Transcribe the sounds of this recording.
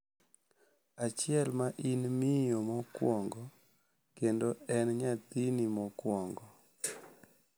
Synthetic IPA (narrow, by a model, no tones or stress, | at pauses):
at͡ʃɪɛlmaʔinmɪjomɔkwɔŋɡɔ | kendoɛnɲat̪inimɔkwɔŋɡɔ